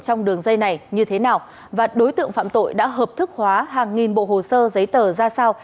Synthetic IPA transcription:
t͡ɕɔ˧wŋ͡mɗɨ˨˩əŋzə˧jna˨˩jɲɨ˧t̪ʰe˨˦naː˨˩w | vaː˨˩ɗo˨˦jt̪ɨ̰˧˨ŋfa̰ː˧˨mt̪o̰˧˨jɗa̰ː˧˥ɦəː˨˩p̚t̪ʰɨ˦˥k̚hwaː˨˦ɦaː˨˩ŋːi˨˩nɓo̰˧˨ɦo˨˩səː˧zə˨˦jt̪əː˨˩zaː˧saː˧w

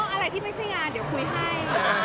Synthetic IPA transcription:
ɔ˧˥˩ʔa˧ɾa˧jt̪ʰiː˥˩ma˥˩t͡ɕʰa˥˩jŋaː˧ndi˩˦wkʰu˧jɦa˥˩j

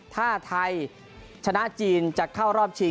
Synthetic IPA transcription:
t̪ʰaː˥˩t̪ʰa˧j | t͡ɕʰa˧na˦˥ʔt͡ɕiː˧nt͡ɕa˨˩kʰːaː˥˩wɾɔː˥˩p̚t͡ɕʰi˧

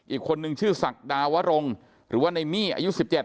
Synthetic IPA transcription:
ʔiː˨˩kʰːo˧nːɯ˧ŋt͡ɕʰɯː˥˩sa˨˩k̚daː˧wa˦˥ɾo˧ŋ | ɾɯː˩˦waː˥˩na˧jmiː˥˩ʔa̰ː˧ju˦˥si˨˩p̚t͡ɕe˨˩t̪̚

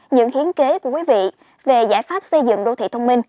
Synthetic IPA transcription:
ɲɨ̰˧˥ŋhi˨˦ənke˨˦ku˧˩əkwi˨˦vḭ˧˨ | ve˨˩zaː˧˩jfaː˦˥p̚sə˧jzɨ̰˧˨ŋɗo˧t̪ʰḭ˧˨t̪ə˧wŋ͡mmi˧n

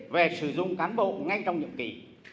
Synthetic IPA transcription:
ve˨˩sɨ˧˩zʊ˧ŋ͡mkaː˨˦nɓo̰˧˨ŋa˧jt͡ɕɔ˧wŋ͡mɲɨ̰˧˨əmki˨˩

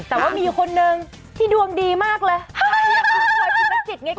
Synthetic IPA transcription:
t̪ɛː˨˩waː˥˩miː˧˨˧kʰo˧nːɯ˧ŋ | t̪ʰiː˥˩du˧əŋdiː˧maː˥˩k̚lɤː˧˩˧a˥˩a˧˥˩ɔ˧˩a˧˩a˧˥˩si˨˩t̪̚ŋaː˦˥˦

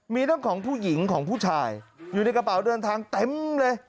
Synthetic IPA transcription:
miː˧ɾa˥˩˨ŋkʰɔː˩˦ŋpʰuː˥˩ji˩˦ŋkʰɔː˩˦ŋpʰuː˥˩t͡ɕʰaː˧˩jjuː˨˩na˧jka˧paː˨˩˦wdɤː˧nt̪ʰaː˧ŋt̪e˧˥˦mle˧

